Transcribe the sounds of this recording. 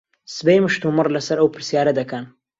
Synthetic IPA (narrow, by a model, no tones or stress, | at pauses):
sɨbejmɨʃt̪umɨrlɐsɐɾɐwpɨɾsjaːɾɐd̪ɐkɐn